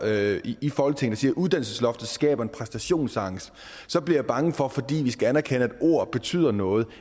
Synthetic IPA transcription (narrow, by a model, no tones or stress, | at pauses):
iifɒːɒlət͡sʰe̝ŋn̩dɑ̈siːɐʔuðˠd̥ænl̩səslɒ̽fd̥ð̩ˠsɡ̥ɛ̰ːb̥ɐe̝npʰʁɛsd̥æɕo̝̰ːnsɑ̈ŋs | sɒ̽b̥liɐjäb̥ɑ̈ŋəfɒ̽fɒ̽d̥ḭːʋisɡ̥æænæɐkʰenəæd̥o̝ɐ̰b̥e̝t͡sʰy̰ːð̰ˠɐnɔ̽ːð̞̩ˠ